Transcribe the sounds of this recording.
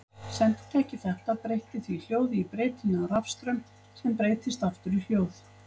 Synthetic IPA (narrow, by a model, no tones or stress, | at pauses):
sɛn̥t̪t̪ʰɛhcɪθɛht̪aðpɾejht̪ɪθvil̥joːwðɪipɾeːjt̪ɪnːʏɔɾafst̪ɾœm | sɛmpɾeːjt̪ʰɪst̪aft̪ʏɾiljoːwθ